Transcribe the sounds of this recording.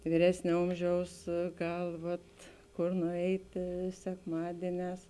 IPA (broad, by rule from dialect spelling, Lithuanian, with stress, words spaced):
ʋʲiːˈrʲæːsʲnʲeː ˈoːmʲˌʒʲɛʊs ˈɡɐlˠ ˈʋɐt ˈkoːr nʊˈɛɪtʲeː sʲɛkˈmɑːdʲiɛˌnʲɛːs